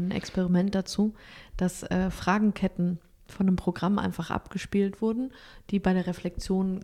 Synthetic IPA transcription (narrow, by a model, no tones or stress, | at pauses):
nʔɛ̰kspɛʁ̞imɛnt̚d̥at͡suːd̥asʔɛːfʁ̥aːɡŋ̩kʰɛtn̩ | fɔndəmpʁ̥oɡʁamʔa̰ɪnfaχʔa̰pɡ̥əʃpiːltv̥ʊɐdn̩d̥iːbaɪɾeːɐʁeflɛk̚t͡sjoːn